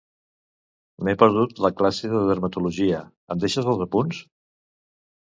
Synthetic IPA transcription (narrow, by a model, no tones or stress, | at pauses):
mepəɾð̞ut̪ləklasiðəðəɾmət̪uluʒiə | əmd̪eʃəzəlˠzəpuns